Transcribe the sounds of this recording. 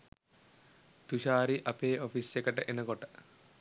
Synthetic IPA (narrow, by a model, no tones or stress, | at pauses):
t̪uʃaːɾiʔɐpeːɔfisekəʈəʔenɐɡɔʈə̥